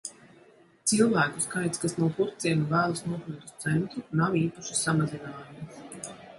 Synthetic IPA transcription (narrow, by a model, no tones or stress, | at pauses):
t̪silˠvæːkuskajt̪skasnuɔpuɾt̪siɛnuvæːlˠasnuɔkɾit̪u̥st̪sɛnt̪ɾunawiːpaʃu̥samazinaːjumus